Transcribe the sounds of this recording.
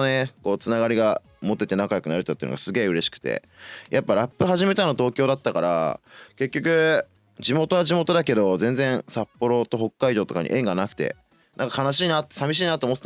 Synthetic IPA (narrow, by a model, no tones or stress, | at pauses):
neko̞ːt͡sɨnaɡaɾʲiɡa | mo̞t̪ːe̞t̪e̞nakajo̞kɯ̟naɾet̪ːat̪ːeɯ̟no̰ɡa̰sɨɡe̞ːɯ̟ɾe̞ɕi̥kɯ̥t̪ḛ | jʔapːaɾapːɯ̟ɦaʑime̞t̪anot̪o̞ːkʲo̞ːd̪at̪ːakaɾa̰ke̞kʲːo̞kɯ̟ | d͡ʑimo̞t̪o̞βaʑimo̞t̪o̞d̪ake̞d̪o̞zẽ̞nd͡zẽ̞ɰ̃sapːo̞ɾo̞t̪o̞ɦo̞kːaid̪o̞ːt̪o̞ka̰ɲ̟ḭʔẽ̞ŋɡanakɯ̟̥t̪e̞̰ | nʔãŋkḁkanaɕiːnat̪ːsamʲiɕ̬iːnat̪oːmot̪ːe̥t